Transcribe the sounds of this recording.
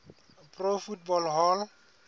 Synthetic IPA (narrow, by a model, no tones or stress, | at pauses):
profutbɔlɦɔl